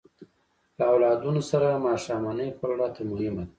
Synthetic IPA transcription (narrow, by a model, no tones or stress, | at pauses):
ləawlɑd̪unosaɾamɑʃɑmanəjpaɾɽɑt̪ʰamʊhɪmad̪a